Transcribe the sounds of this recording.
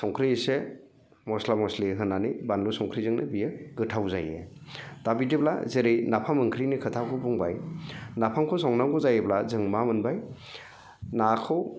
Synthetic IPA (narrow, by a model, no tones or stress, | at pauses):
sɔŋkʰɾise | mɔslamɔsliɦɯnːanibanlusɔŋkʰɾizɯŋnɯbijɯɡɯtʰawzajḛ | d̥abidibla̰zeɾejnapʰamɯŋkʰɾinikʰɯtʰakʰɯbuŋba̰jnapʰamkʰɯwsɔŋnaŋɡɔzajeblazɯŋmamɯnbaj | nakʰɯw